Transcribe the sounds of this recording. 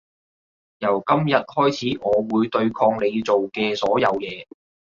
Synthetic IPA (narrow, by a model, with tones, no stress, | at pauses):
jɐ˨˩wkɐ˥mjɐ˨t̚hɔː˥jt͡sʰiː˨˥ŋɔː˨˧wuː˨˧jt̪ɵ˧ɥkʰɔː˧ŋle˨˧jt͡so˨wkɛː˧sɔː˨˥jɐ˨˧wjɛː˨˧